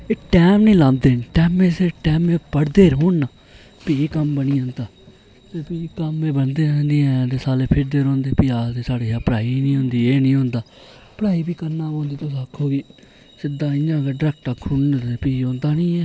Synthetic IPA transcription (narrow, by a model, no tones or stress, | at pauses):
eːʈɛːmnĩːlãːnd̪eːnʈɛːmẽːseʈɛːmẽːpəɽd̪eːɾõːnnaː | pikəmbənĩːɦõːnd̪aː | t̪eːpiːkəmeːbənd̪ẽːnd̪eːɛ̃ːt̪eːsaːleːpʰɪɾd̪eːɾõːnd̪eːpiaːsd̪eːsaːɽeːaːpəɽaːiːnĩːɦʊ̃nd̪iːeːnĩːɦõːnd̪aː | pəɽaːiːbiːkənːaːõːnd̪iːt̪oskʰːoːɡiː | sɪd̪aːɪjãːkeːɖɾɛːk̚ʈaːkʰʊnːpiːõːnd̪aːnĩːɛː